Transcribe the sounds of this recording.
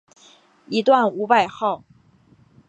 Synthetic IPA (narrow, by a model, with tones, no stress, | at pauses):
i˧˥t̪wa˥˩nu˧˥pa˥˧ɪxɑ˥˩ʊ